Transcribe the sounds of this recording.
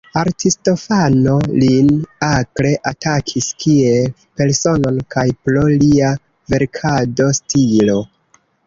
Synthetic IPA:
aɾtisto̞fano̞linakɾe̞ʔatakʰiskiel | pe̞ɾso̞no̞nkajpɾolia | ve̞ɾkʰado̞stʰilo̞

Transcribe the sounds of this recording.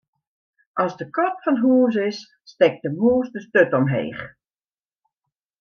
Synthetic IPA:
ʔɔsdəkɔpfɔnɦuːs̬ɪsː | tɛk̚dəmuːəsdəstøtɔmɦḛːχ

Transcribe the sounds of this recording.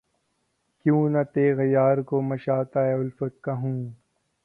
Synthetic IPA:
kjũːnɐt̪eːɣɐjaːɾkomɐʃaːt̪aːeʊlfɐt̪̚kaɦũː

